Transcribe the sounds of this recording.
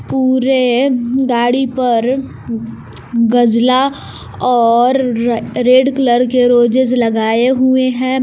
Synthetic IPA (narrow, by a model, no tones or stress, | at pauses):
puːɾeɡaːɽipɐɾ | ɡɐd͡ʒla | ɔːɾɾeːɖkləɾkeɾoːd͡ʒɪd͡ʒlɐɡaːeɦʊeɦɛ̃ː